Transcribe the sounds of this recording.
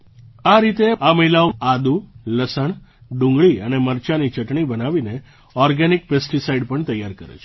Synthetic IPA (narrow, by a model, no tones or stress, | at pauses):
aɾit̪eaməɦilaoad̪uləsəɳɖũŋɡɭiəneməɾt͡ʃanit͡ʃəʈɳibənaʋine | ɔɾɡanikpesʈisaiɖpəɳt̪əjaɾkəɾḛt͡ʃʰ